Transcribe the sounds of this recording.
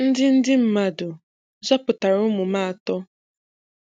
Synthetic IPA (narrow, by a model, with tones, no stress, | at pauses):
n̩˦dɪ˦n̩˦dɪ˦m̩˦ma˨dʊ˨˦ | zɔ˦pʊ˨ta˨ɾʊ˦mʊ˨maː˦a˨tɔ˦